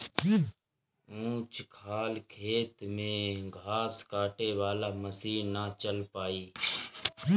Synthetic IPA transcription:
ũːt͡ʃkʰaːlkʰeːt̪mẽːɡʱaːskaːʈeːʋaːlaːməsiːnaːt͡ʃəlpaːiː

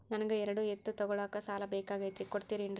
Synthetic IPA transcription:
nɐnɐɡeɛɾɐɽuet̪ːut̪ɔɡɔɭaːkɐsaːlɐbɛːkaːɡɐjt̪ɾikoɽt̪iːɾiɳ

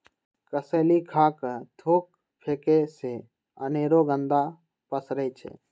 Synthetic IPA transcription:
kəseːlikʰaːkət̪ʰoːk̚ | pʰeːkese | əneːɾoɡə̃nd̪a | pəsɾəit͡ʃʰḛː

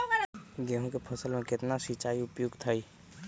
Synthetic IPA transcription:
ɡeɦõkepʰəsəlmẽkɪt̪nasit͡ʃaːiʊpjoɡt̪ʰəi

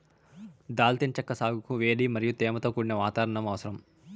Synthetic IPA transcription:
d̪aːlt̪ent͡ʃɐkːɐsaːɡukuʋeːɽimɐɾijut̪ɛːmɐt̪oːkuːɽinɐʋaːt̪aːɾɐɳɐmɐʋɐsɐɾɐm

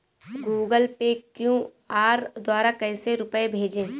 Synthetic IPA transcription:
ɡuːɡəlpekjũ | aːɾd̪waːɾakɛːseɾʊpəebʱeːd͡ʒẽː

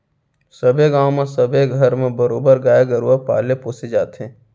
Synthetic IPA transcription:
səbʱeɡãːwmẽsəbʱeɡʱəɾmẽbəɾoːbəɾɡaːjaɡəɾuapa̰ːlepoːsed͡ʒaːt̪ɦẽː

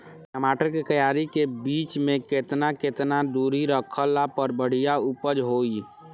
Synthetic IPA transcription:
əmaːʈəɾkekəjaɾikebiːt͡ʃmẽket̪naket̪nad̪uɾiɾəkʰəlːapəɾbəɽ̤ijaupəd͡ʒɦoi

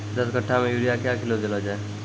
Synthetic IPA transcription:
d̪əskəʈʰːamẽjuːɾijakjakɪlod̪elad͡ʒaːe

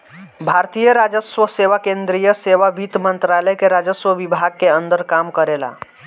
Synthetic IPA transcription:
bʱaɾt̪ijəɾad͡ʒəswəseʋakẽnd̪ɾijəseʋabit̪mənt̪ɾaləjkeɾad͡ʒəswəʋibʱaɡ̚keənd̪əɾkamkəɾela̰

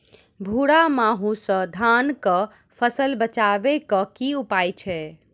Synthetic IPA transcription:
bʱuɽamaɦusə̃d̪ʱankə | pʰəsəlbət͡ʃabekəkiupajt͡ʃʰɛ

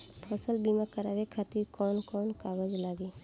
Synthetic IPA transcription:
pʰɔsəlbimakəɾaːʋekʰat̪iɾkɔːnkɔːnkaːʋəd͡ʒlaːɡi

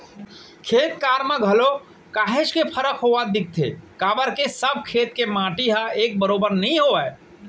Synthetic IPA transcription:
kʰeːt̪kaːɾmə̃ɡʱəlo | kaːɦet͡ʃkepʰəɾəkʰɦoʋad̪ɪk̚t̪ʰḛkaːbəɾkesəb̚ʱkʰeːt̪kemãːʈiɦəeːk̚bəɾoːbəɾnəɦĩɦoɛ

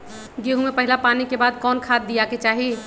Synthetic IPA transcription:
ɡeɦumẽpɐɦɪlapaːnikebaːd̪kɔːnkʰaːt̪̚d̪ijaket͡ʃaːɦi

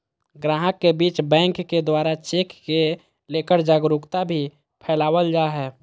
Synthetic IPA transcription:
ɡɾaːɦəkːebiːt͡ʃbɛ̃ːŋkːed̪waːɾat͡ʃeːkːe | leːkəɾd͡ʒaːɡɾʊkt̪abʱi | pʰɛːlaːʋəld͡ʒaːɦɛː

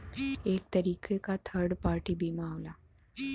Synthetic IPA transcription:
ek̚t̪əɾiːkʰekat̪ʰəɾɽpaɾʈiːbimaʋla

